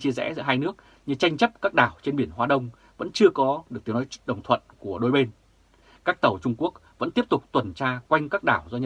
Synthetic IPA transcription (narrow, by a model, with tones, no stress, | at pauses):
t͡ɕi˧əzɛ̰˧˥zɨ̰˧˥˦ɦaː˧jnɨ˦˥ək̚ | ɲɨ˧t͡ɕa˧jŋ̟t͡ɕə˦˥p̚kaː˦˥k̚ɗaː˨˩wt͡ɕe˧nɓi˧˩ənɦwaː˧ɗə˧wŋ͡m | və̰˧˥nt͡ɕɨ˧əkɔ˨˦ɗɨ˨˩k̪̚i˨˦wnɔ˨˦jɗə̰˨˩wŋ͡mt̪ʰwə̰˧˨nku˧˩əɗo˨˦jɓe˧n | kaː˦˥k̚t̪ə˨˩wt͡ɕʊ˧ŋ͡mku˦˥ək̚və̰˧˥t̪i˦˥əp̚t̪ʊ˨˩k͡p̚t̪wə˨˩nt͡ɕaː˧kwa˧jŋ̟kaː˦˥k̚ɗaː˧˩wzɔ˧ɲə˧